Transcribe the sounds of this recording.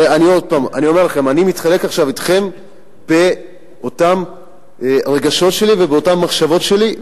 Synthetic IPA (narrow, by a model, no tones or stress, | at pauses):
anio̞d̪̚paːma̰nio̞melaχe̞manimit̪χale̞kaχʃavit̪χe̞m | b̥e̞ | o̞tam | ʁe̞ɡaʃo̞tʃe̞livebeo̞tamːaχʃavo̞tʃe̞li